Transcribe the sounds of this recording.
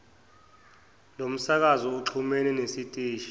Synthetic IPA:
lom̩sak̬azɔuǁʰumɛnɛnesitʼiːʃi̥

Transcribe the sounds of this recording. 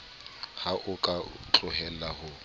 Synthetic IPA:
haʔʊkʼat͡ɬʼʊɦɛlahʊ

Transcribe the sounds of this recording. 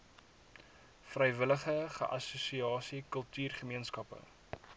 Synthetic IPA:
frəjvələχəχə̰ʔɐsusiɑːsikəlˠtyːrχəmiənskɐpə̰

